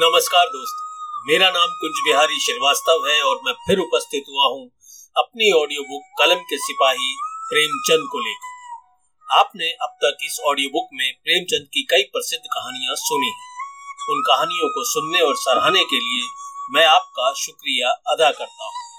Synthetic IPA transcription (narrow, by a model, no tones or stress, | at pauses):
nɐməskaːɾd̪oːst̪meːɾanaːmkʊ̃nd͡ʒbɪɦaːɾiʃɪɾʋaːst̪əʋɦɛɔːɾmɛ̃ːpʰɪɾʊpəst̪ʰɪt̪ɦuaɦũ | ɐp̚niɔːɖijobʊkːɐləmkesɪpaːɦipɾeːmt͡ʃɐ̃nd̪̚koleːkː | aːpneʔɐb̚t̪ɐkɪsɔːɖijoːbʊkmẽpɾeːmt͡ʃɐ̃nd̪̚kikɐipɾɐsɪd̪ʱkɐɦaːnijãsʊniɦɛ̃ʊnkɐɦaːnijõkosʊnːeɔːɾsɐɾaːnekeliemɛ̃ːaːp̚kaʃʊkɾijaɐd̪akɐɾt̪aɦũː